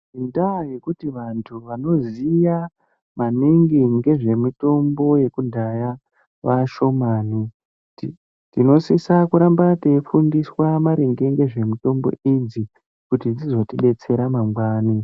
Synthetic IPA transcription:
indajekutiʋantʰuʋano̞zija | maniŋɡiŋɡe̞ʐe̞mito̞mbo̞je̞kudʱaja | ʋaʃo̞maːni | tino̞sisakuɾambatefundiswamaɾeŋɡe̞ŋɡe̞ʐe̞mito̞mbo̰id͡zi | kutid͡zizo̞tiɗe̞t͡se̞ɾamamɡwaːni

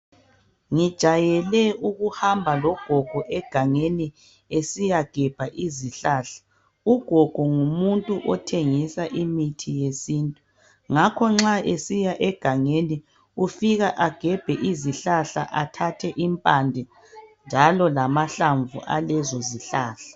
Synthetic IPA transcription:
ŋid̥ʒ̥ʱajɛlɛuɣuhambʱalɔɡ̥ʱɔɡ̥ʱɔʔɛɡ̥ʱaŋeni | esijaɡ̥ʱɛb̥ʱaʔiziɬaɬḁ | uɡ̥ʱɔɡ̥ʱɔŋumuntʼuʔɔtʰeŋisaʔimitʰijesiːntʼu | ŋakʰɔŋ͡ǁaesijaʔɛɡ̥ʱaŋeni | ufiɣaʔaɡ̥ʱɛb̥ʱɛʔiziɬaɬa̰ʔatʰatʰɛʔimpʼandʱɛ | nd͡ʒʱalɔlamaɬaɱvṵʔa̰lɛzɔziɬaːɬḁ

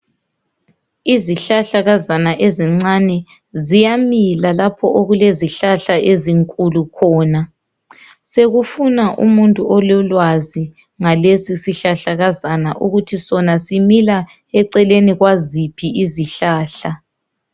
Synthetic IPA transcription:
iziɬaɬaɣazanaʔeziŋ͡ǀanɛ | zijamilalapʰɔʔoɣuleziɬaɬaeziŋkʼulukʰɔːna | seɣufunaʔṵmuntʼuɔlɔlwazi | ŋalesisiɬaɬaɣazanaʔuɣutʰisɔnasimila | ɛǀɛleniɣwazipʰiʔiziɬaːɬa

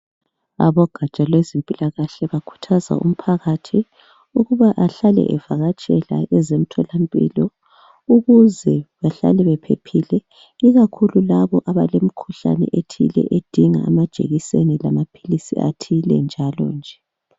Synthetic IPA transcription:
a̰βɔɡ̥ʱat͡ʃʼalwezimpʼilaɣaɬɛβakʰu̥tʰaza̰ʔṵm̩pʰaɣatʰi | uɣuβaʔaɬalɛ̰ʔɛvaɣat͡ʃʼɛla̰ʔɛzem̩tʰɔlampʼḭːlɔ | uɣuzɛβaɬa̰lɛβɛpʰḛpʰilɛ | iɣakʰululaβɔʔaβalem̩kʰuɬa̰nɛ̰ʔetʰḭlɛ̰ʔed̥ʱiŋa̰amad̥ʒ̥ʱḛɣisenila̰mapʰilisḭa̰tʰilɛ̰nd͡ʒʱalɔ̰nd͡ʒʱɛ

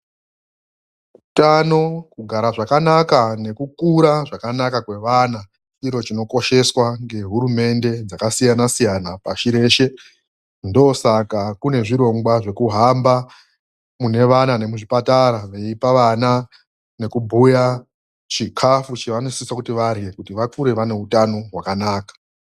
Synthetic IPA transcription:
kutano̞kuɡʱaɾaʐakanakane̞kukuɾaʐakanakakwe̞ʋana | iɾo̞t͡ʃino̞ko̞ʃe̞swaŋɡe̞ɦuɾume̞nde̞d͡zakasijanasijanapaʃiɾe̞ːʃe̞ | ndo̞sakakune̞ʐiɾo̞ŋɡwaʐe̞kuɦamba | mune̞ʋanane̞muʐipataɾaʋeipaʋana | ne̞kubʱuja | t͡ʃikʰafut͡ʃeʋanosisakutiʋarje̞kutiʋakuɾe̞ʋane̞utano̞ɦwakanaːkḁ

